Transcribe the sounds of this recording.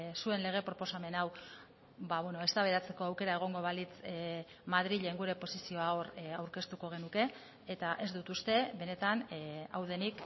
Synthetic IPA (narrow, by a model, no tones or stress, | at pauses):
sue̞nle̞ɣ̞e̞pɾo̞po̞same̞naw | baβweno̞e̞st̪aβe̞ɾat͡se̞ko̞awke̞ɾae̞ɣ̞o̞ŋɡo̞βalit͡s | mað̞ɾiʎe̞ŋɡuɾe̞po̞sisio̞aoɾawɾke̞st̪uko̞ɣ̞e̞nuke̞ | et̪aʔe̞zd̪ut̪ust̪e̞βe̞ne̞t̪anawð̞e̞nik